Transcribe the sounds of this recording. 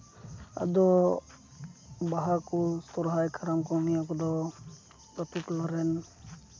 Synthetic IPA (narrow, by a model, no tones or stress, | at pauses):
a̰d̪ɔ | baɦakust̪ɔɾɦajkʰaɾamkɔnijakɔd̪ɔ | pɾɔt̪ut̪laɾɛn